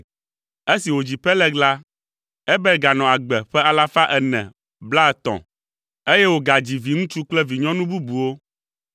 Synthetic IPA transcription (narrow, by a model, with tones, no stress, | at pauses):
e˦si˨wo˨d͡ʑi˨ɸɛ˦lɛ˦ɡla˦ | ɛ˦bɛ˦ɡa˨nɔ̃˨a˨ɡ͡bɛ˨ɸɛ˦a˨la˦fa˦ʔɛ˨nɛ̰̃˨ | bla˦ɛ˨t̪ɔ̰̃˨ | e˦je˦wo˨ɡa˨d͡ʑi˨vi˨ŋũ˦t͡ʃu˦k͡plɛ˦vi˨ɲɔ̃˦nũ˦bu˦bu˨wo˦